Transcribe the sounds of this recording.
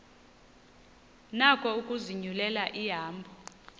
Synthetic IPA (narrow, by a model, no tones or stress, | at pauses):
nakʼɔukʼuziɲulɛlaʔiɦaːmbʱɔ